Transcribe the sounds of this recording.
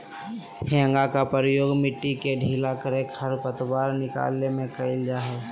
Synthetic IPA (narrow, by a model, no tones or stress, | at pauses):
hʰɛ̃ːŋɡakapəɾjoːɡmɪʈːikeɖʱiːlakəɾekhəɾpət̪baːɾnɪka̰ːlnemẽkəɪld͡ʒaːɦe